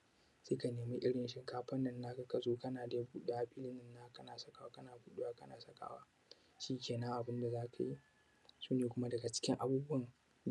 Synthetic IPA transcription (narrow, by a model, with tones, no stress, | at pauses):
seː˦ka˨neː˨mi˦ʔɪ˦ɽɪ˨nʃɪ˦kaː˦ɸɐ˦nːɐ˨nːa˦ka˨kɐ˨zoː˦kɐ˦naː˨da˨ja˦buː˦ɗe˦ʔa˨ɸiː˦lɪ˦nɪ˦nːa˦kɐ˦naː˨sɐ˦ka˨wa˦kɐ˦naː˨buː˦ɗe˦waː˦kɐ˦naː˨sɐ˦ka̰ː˨wa̰ː˦ | ʃiː˦kʲeː˨nɐ˦ŋʔa˨bɪ˦nda˨zaː˦kʰa˨ji˦ | suː˦neː˨kʷʊ˦ma˦dɐ˨ɡa˨t͡ʃɪ̥˦kʲɪ˦ŋʔa˨buː˦bʊ˦ɐ˨ŋ